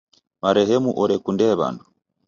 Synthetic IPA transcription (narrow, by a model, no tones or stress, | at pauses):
maɾeɦemuʔoɾekundɛβa̰ndu̥